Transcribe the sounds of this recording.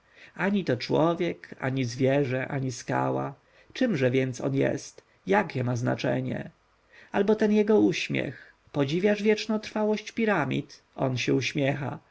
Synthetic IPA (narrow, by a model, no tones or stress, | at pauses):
aɲit̪ɔt͡ʂwɔvʲjɛka̰ɲizvʲjɛʐɛʔa̰ɲiska̰wa̰ | t͡ʂɨmʐɛvʲjɛnt̪sɔ̰njɛ̰st̪ | jakʲɛmazna̰t͡ʂɛ̰ɲɛ̰ | albɔt̪ɛnjɛɡɔuɕmʲjɛ̰x | pɔd͡ʑivʲjaʐvʲjɛt͡ʂnɔ̃t̪ɾfawɔɕt͡ɕpʲiɾamʲḭt̪ | ɔnɕɛuɕmʲjɛxa̰